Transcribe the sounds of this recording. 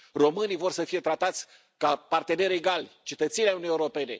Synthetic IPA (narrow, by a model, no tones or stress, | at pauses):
ro̞mɨnivo̞rsəfije̞t̪ɾat̪at̪sʲ | kapart̪e̞ne̞ɾe̞ɡalʲt͡ʃe̞t̪ət̪senʲaunijeuɾo̞pe̞ne̞̰